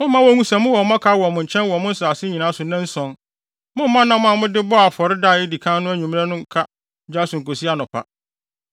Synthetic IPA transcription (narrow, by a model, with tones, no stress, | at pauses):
mʊ̃˦mã˦wɔ˦ŋũ˦sã˨mʊ̃˦wɔ˨˦mã˦kʰa˦wɔ˨mʊ̃˨ɲ̩˨t͡ɕʰɛ̃˦nwɔ˨mʊ̃˦n̩˦saː˨sɪ˦ɲĩ˨nã˨˦sʊ˨nã˦n̩˦sɔ̃˨n | mʊ̃˦m˦mã˦nã˨mʊ̃˦ã˨mʊ̃˦dɪ˦bɔ˦a˨fɔ˨ɾɪ˦da˦˨jɪ˦di˨kʰã˦nʊ̃˦æ˦ɲᶣũ˨m̃˦ã˦nʊ̃˦kʰa˦ | d͡ʑa˦sʊ̃˨ŋ̩˨ko˨si˦a˦nʊ̃˨pʰa̰˦